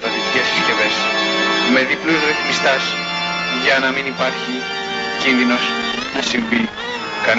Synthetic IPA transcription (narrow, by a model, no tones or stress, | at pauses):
ɐt̪iicesçisce̞ves | me̞ðipluzɾeθmist̪ɐs | ʝɐnɐminipɐɾçi | cinðino̞s | nɐsiɱvi | kɐ